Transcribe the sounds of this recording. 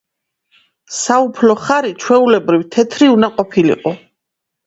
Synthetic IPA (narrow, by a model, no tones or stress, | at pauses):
saupʰlɔχaɾit͡ʃʰwɛulɛbɾivt̪ʰɛt̪ʰɾiunaqʼɔpʰilḭqʼɔ